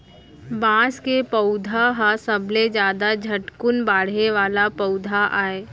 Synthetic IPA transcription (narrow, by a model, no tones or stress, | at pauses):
bãːskepəʊd̪ʱaɦasəbʱled͡ʒjaːd̪ad͡ʒʱɐʈkʊnbaːɽeʋaːlapəʊd̪ʱaʔaːeː